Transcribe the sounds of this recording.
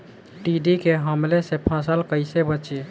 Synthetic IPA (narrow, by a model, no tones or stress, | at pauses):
ʈiɖikeɦəmlesepʰãsəlkəɪsebət͡ʃi